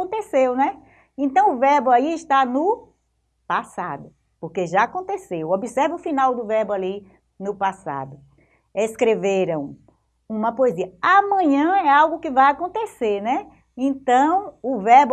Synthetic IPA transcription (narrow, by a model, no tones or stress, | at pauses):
õnt̪esewnɛ | ẽt̪ɐ̃w̃ʊvɛɾbʊaiɪʃt̪anʊ | pasa̰d̪ʊ | poɾkeʒaakõnt̪esewobisɛɾvɐʊfinawd̪ʊvɛɾbʊali | nʊpasa̰d̪ʊ | eskɾeveɾɐ̃w̃ | ũmɐpoeziɐamɐ̃ɲɐ̃ɛawɡʊkɪvajakõnt̪eseɾnɛ | ẽt̪ɐ̃w̃ʊvɛɾb